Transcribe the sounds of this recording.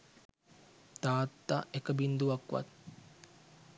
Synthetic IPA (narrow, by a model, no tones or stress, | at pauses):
t̪aːt̪ːaekəbind̪uʋakʋa̰t̪̚